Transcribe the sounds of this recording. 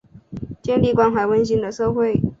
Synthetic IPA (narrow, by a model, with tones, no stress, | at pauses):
t͡ɕjɛ˥˧nli˥˩kwa˥nxwa˨˧˩ɪwə˥nɕi˧˥ŋd̪ə˨ʂɤ˥˧xwe˥˩ɪ